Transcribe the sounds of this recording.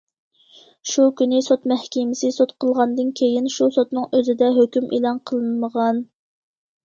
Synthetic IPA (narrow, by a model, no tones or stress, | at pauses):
ʃukʲynɪsot̪mɛhkʲɪmɪsɨsot̪qʰəlˠʁɑnd̪ɨnkʲʰejinʃusot̪nɨŋøzɪd̪ɛɦøkʲymʔḭlˠɑnqʰəlˠɨnməʁɑn